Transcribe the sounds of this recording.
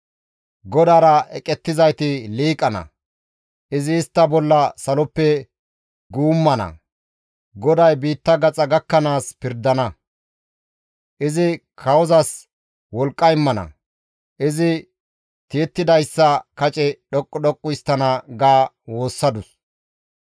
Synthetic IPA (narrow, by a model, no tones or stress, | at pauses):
ɡɔd̪aːɾɐɛkʼɛt̪ːɪzɐjt̪ɪliːkʼɐnɐ̰ | ʔɪzɪːst̪ːɐbɔlːɐsɐlɔpːɛ | ɡuːmːɐnɐ̰ | ɡɔd̪ɐjbiːt̪ːɐɡɐt͡sʼɐɡɐkːɐnaːspɪɾd̪ɐnɐ | ʔɪzɪkʰɐwɔzɐs | wɔlkʼːɐɪmːɐnɐ̰ | ʔɪzɪ | t̪eːt̪ːɪd̪ɐjsːɐkɐt͡ʃʼɛɗɔkʼːɔɗɔkʼːʊjst̪ːɐnɐɡaː | wo̞ːsːɐd̪ʊs